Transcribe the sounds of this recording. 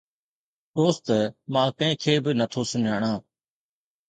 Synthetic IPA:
ɗoːst̪mãːkəẽːkʰeːbɪnət̪ʰoːsʊnaːɳãː

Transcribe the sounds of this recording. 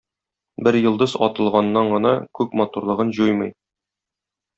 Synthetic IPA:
bɘɾjɤ̆lˠd̪ɤzɒ̰t̪ɤ̆lˠʁɑnːɑɴɢɤ̆nɑkʉk̚mɒt̪uɾlˠɤ̆ʁɤnʑujmɤj

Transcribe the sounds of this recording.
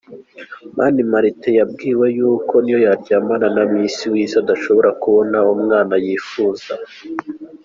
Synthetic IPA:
mʔaːnimaɾitejabɡiːwejuːko̞nijojaɾɟaːmananamiːnsiwiːzad̪aʃo̞βo̞ɾakuβo̞naumŋaːnajiːfuːza

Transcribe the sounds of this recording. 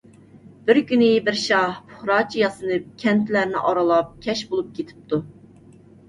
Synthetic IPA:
b̥ɪɾkʲynɪbɪɾʃɑhpʰʊ̥χɾɑt͡ʃʰijɑsɨnɨp̚kʲʰɛnt̪ʰlæɾnɪ̰ʔɑɾɑlˠɑp̚kʲʰɛʃbolˠup̚kʲʰet̪ʰɪ̥p̚t̪ʰu

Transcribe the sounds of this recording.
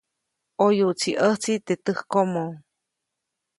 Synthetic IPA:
ʔojuʔt͡siʔəht͡sit̪et̪ɨhkomo

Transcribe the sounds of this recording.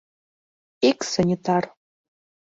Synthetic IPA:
iksənʲit̪ɑr

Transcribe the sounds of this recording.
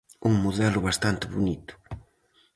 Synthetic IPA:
uŋmuðɛlʊβast̪ant̪ɪβunit̪ʊ̥

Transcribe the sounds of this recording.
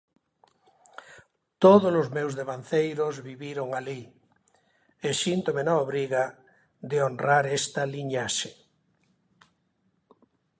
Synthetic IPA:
t̪oðolozmewzðeβanθejɾozβiβiɾoŋali | esint̪omenaoβɾiɣa | d̪eonraɾest̪aliɲaʃe

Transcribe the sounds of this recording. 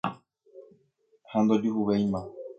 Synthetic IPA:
hãnd̪od͡ʒuɦuβejmã

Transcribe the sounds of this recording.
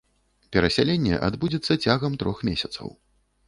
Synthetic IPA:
pʲɛɾɐsʲalʲenʲːɛ̰ʔa̰d̪bud͡zʲɛt̪sːɐt͡sʲaɣɐmt̪ɾɔxmʲesʲɐt̪sɐ̰w

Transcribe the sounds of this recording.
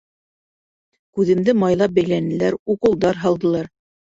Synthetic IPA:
kʉðɘ̆md̪ɘmɑjlˠɑp̚bæjlænɘ̆læɾuqɤ̆lˠd̪ɑɾɦɑlˠd̪ɤ̆lˠɑɾ

